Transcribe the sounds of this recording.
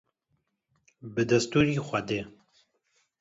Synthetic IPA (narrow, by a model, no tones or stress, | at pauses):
bɨd̪ɐst̪uːɾiːxʷɐd̪eː